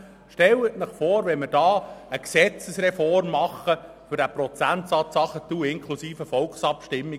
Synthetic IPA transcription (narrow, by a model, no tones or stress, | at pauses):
ʃtɛlətnəχfoːɾʋɛnməɾdɑːəksɛt͡səsrɛfɔrmːɑχə | fʏɾdæːprɔt͡sænt̪sɑːt͡sɑχətuɪŋkʰlusiːfəfɔlksɑpʃtɪmːi